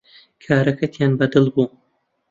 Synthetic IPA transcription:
kʰaːɾɐkʰɐt̪ʰjanbɐd̪ɨlbuː

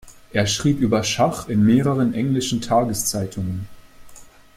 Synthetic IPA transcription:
ʔeːɐʃʁ̥iːpʔyːbɐʃaχɪnmeːʁəʁ̞ənʔɛŋlɪʃn̩tʰaːɡəst͡saɪtʰʊŋən

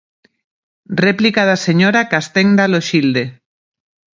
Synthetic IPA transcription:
replikaðaseɲoɾakast̪eŋd̪aloʃild̪e

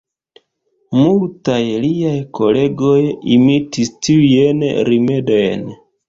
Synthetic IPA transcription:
multajliajko̞le̞ɡo̞jimitistiujenɾime̞do̞jn

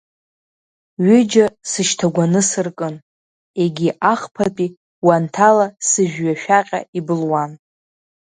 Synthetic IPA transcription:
ɥʏd͡ʒasɨʃtʰaɡʷanɨsɨrkʼɨn | e̞ɡʲiʔaχpʰapʼi | wantʰalasɨʒᶣɥaʃᶣaqʲʼa̰ibɨlwan

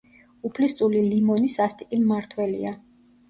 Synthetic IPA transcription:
upʰlist̪sʼulilimɔnisast̪ʼikʼimːaɾt̪ʰwɛlḭa

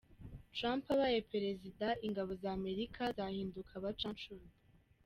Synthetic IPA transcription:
tɾaːmpaβajepe̞ɾe̞zidaiŋɡaβo̞zaːme̞ɾikʰazahiːndukʰaβat͡ʃɾant͡ʃun

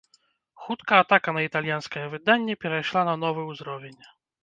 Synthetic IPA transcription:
xut̪kɐːt̪akɐnɐit̪alʲjanskɐjɛvɨd̪anʲːɛpʲɛɾajʂlˠanɐnɔvɨwzɾɔvʲɛnʲ

